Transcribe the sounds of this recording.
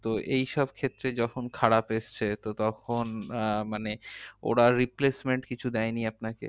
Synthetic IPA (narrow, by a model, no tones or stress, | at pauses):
t̪oʔejʃɔb̚kʰet̪ːɾed͡ʑɔkʰonkʰaɽapeʃt͡ɕʰet̪ot̪ɔkʰonmaneo̰ɽaɾiplesmeɳʈkit͡ɕʰud̪ɛjniapnakḛ